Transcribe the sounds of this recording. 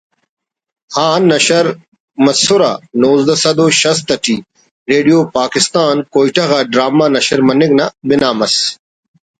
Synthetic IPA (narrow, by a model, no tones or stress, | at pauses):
haːnːɐɕɐɾ | mɐsuɾa̰noːzd̪ɐsɐd̪oːɕɐst̪ɐʈʰi | ɾeːɖijoːpaːkɪst̪aːnkoːjʈɐɣaɖɾaːmanɐɕɐɾmɐniɡnabinaːmɐs